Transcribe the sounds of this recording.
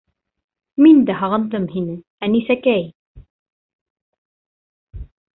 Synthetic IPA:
mind̪æɦɑʁənd̪əmɦinən | ænisækæj

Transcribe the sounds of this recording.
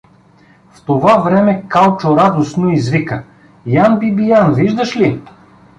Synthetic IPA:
ft̪ovavɾɛmɛkalˠt͡ʃoɾad̪osnoizvikə | janbibijanviʒd̪əʃli

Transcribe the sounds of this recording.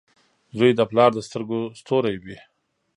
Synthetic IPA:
zojd̪əplɑɾd̪əst̪əɾɡost̪oɾajwi

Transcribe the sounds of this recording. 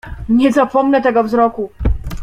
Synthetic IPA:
ɲɛzapɔmnɛt̪ɛɡɔvzɾɔku

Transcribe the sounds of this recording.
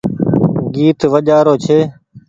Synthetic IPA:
ɡiːt̪ʋəʄaːɾoːt͡ʃʰeː

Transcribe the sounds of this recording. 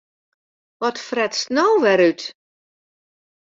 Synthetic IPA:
ʋɔtfrɛtsnɔwʋɛɾyt

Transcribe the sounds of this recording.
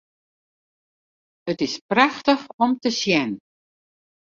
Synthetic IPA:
ətɪspraxtəxɔmtəsjɛn

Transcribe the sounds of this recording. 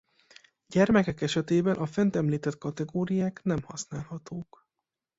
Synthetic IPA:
ɟɛrmɛkɛkɛʃɛt̪eːbɛnʔɒfɛnt̪ɛmliːt̪ɛt̪kɒt̪ɛɡoːɾijaːknɛmhɒsnaːlhɒt̪oːk

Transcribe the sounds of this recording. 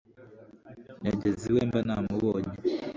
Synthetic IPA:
ɲaɟeziwembanamuβoːɲe

